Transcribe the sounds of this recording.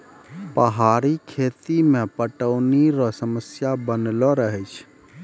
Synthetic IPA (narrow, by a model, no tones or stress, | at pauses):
pəɦaɾikʰet̪imepəʈəʊniɾɔsəməsjabənlɔɾəɦɛɪt͡ʃʰ